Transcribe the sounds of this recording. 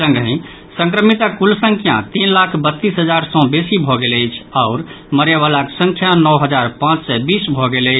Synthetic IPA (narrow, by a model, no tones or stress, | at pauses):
sə̃ŋɡɦĩ | sə̃ŋkɾəmit̪akulsə̃ŋkʰjã̰t̪inlakʰbət̪ːisɦəd͡ʒaɾsɔ̃besibʱɔɡeləjt͡ʃʰaʊɾ | məɾjaβalaksə̃ŋkʰjanɔwɦəd͡ʒaɾpãt͡ʃsɛbisbʱɔɡeləɪ